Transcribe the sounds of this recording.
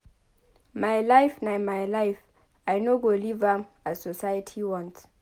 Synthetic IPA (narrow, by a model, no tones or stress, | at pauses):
majlajfnajmajlajf | ajnoɡolivam | ḁsɔsajətʰiwɔ̃nt